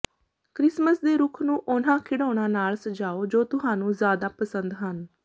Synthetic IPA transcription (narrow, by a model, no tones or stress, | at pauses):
kɾɪsməsd̪eːɾuːkʰnũːʔʊnãːkʰɪɽoːɽ̃ãːnaːlsəd͡ʒaːoːd͡ʒoːt̪ʊɦãːnũːzjaːd̪aːpəsənd̪ɦən